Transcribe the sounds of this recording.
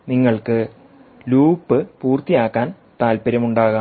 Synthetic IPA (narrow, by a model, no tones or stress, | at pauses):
niŋːɐɭkɨ | luːpːɨpuːrt̪ijaːkːaːn | t̪aːlpɐɾɐmuɳɖaːɣa